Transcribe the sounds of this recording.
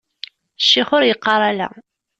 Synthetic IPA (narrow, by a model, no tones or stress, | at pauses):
ʃːiχʊɾjəqːɑɾˤalæ̰